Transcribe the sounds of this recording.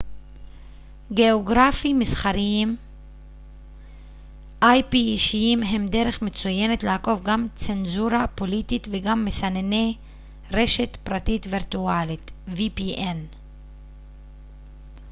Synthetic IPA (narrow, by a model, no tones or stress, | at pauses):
ɡe̞oɡʁafimisχaɾiim | ʔajpiːʃiimɦe̞mde̞ɾe̞χmet͡suje̞netleako̞vɡamt͡se̞nzuɾapo̞lit̪it̪veɡamːesanene | ʁe̞ʃe̞tpɾatitviɾtualitvipiʔen